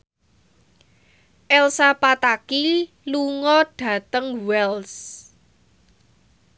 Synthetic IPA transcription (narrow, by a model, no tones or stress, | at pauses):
ʔɛlsapat̪aki | luŋɔɖ̥ä̤t̪əŋwɛls